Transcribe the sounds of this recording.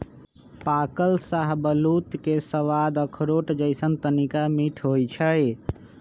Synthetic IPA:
pakəlsaɦbəlut̪kesəʋad̪əkʰɾoʈd͡ʒəɪsənt̪ənikamiʈʰɦojt͡ʃʰəj

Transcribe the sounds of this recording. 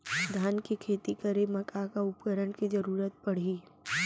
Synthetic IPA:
d̪ʱaːnkikʰeːt̪ikəɾemɐkakaʊpkəɾəɳkid͡ʒəɾuːɾət̪̚pɐɽ̤iː

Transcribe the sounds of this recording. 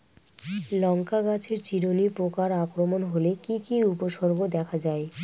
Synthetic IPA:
lɔŋkaɡat͡ɕʰeɾt͡ɕiɾonipokaɾakɾomonɦolekikiupoʃɔɾɡod̪ɛkʰad͡ʑae

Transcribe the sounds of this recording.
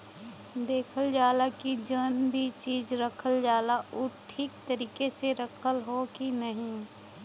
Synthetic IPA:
d̪eːkʰəld͡ʒaːlakid͡ʒənbʱit͡ʃiːzɾɐkʰəld͡ʒaːlaʔʊːʈʰːiːkt̪əɾiːkeseɾɐkʰəlɦokinɐɦĩ

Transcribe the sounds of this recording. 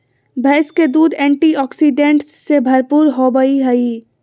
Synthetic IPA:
bʱɛːsked̪uːd̪ɛ̃ːɳʈiɔːksiɖẽɳʈsːebʱɐɾpuːɾɦobəiɦəi

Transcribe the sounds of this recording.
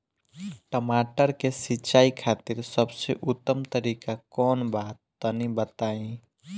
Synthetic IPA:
ʈəmaʈəɾkesiːt͡ʃaikʰat̪iɾsəbseʔʊt̪ːəmt̪əɾikakɔːnbat̪ːənibət̪aĩ

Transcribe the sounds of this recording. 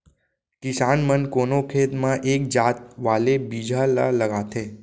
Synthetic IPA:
kisaːnmənkonokʰet̪mãʔek̚d͡ʒat̪̚ʋalebid͡ʒʱala̰ləɡat̪ʰe

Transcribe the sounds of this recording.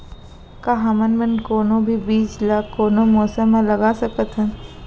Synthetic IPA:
kaɦamənmənkoːnõbʱibiːt͡ʃlaːkːoːnõmoːsə̃mːẽlɐɡaːsɐkət̪ɦɛ̃ː

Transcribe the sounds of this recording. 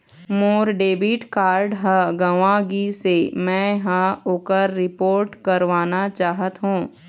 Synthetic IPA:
moːɾɖeːbiːʈkaːɾɖɦəɡɐʋãɡisemɛ̃ːɦə̃oːkəɾːɪpoːɾʈkɐɾʋaːnat͡ʃaːɦət̪ɦũː

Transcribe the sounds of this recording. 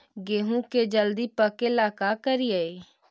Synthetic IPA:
ɡeɦũked͡ʒəld̪ipəkelaːkakəɾijae

